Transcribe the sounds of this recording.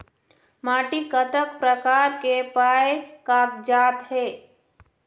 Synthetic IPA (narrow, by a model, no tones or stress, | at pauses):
maːʈikət̪əkpɾəkaːɾkepaːekaːk̚d͡ʒaːt̪ɦeː